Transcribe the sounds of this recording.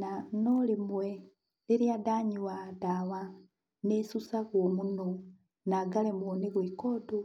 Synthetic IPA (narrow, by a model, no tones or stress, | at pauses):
nanolimwe | liɾjadaɲiwadawa | nesusaɣwomuno | naɡalemwoniɣwikodo